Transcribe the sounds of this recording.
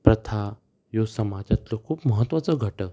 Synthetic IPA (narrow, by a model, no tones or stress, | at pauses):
pɾət̪ʰa | josəmad͡ʑat̪lokʰuːpməɦət̪ːʋat͡səɡʱəʈə